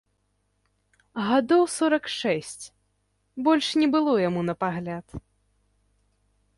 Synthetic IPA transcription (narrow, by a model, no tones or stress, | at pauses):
ɣad̪ɔwsɔɾɐkʂɛsʲt͡sʲ | bɔlʲʂnʲɛbɨlˠɔjamun̪ɐpaɣlʲat̪